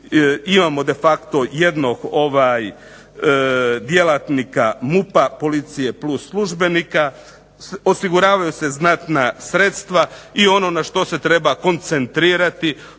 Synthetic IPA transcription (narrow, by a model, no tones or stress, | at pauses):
imaːmo̞d̪e̞fakt̪o̞je̞d̪no̞ɡo̞ʋaj | d̪je̞lat̪nikamupapo̞lit̪sije̞plusːlˠuʒbe̞nika | o̞siɡuɾaːʋajuse̞znat̪nasɾe̞t̪st̪ʋaio̞no̞naʃt̪o̞se̞t̪ɾe̞bako̞nt̪se̞nt̪ɾiːɾat̪i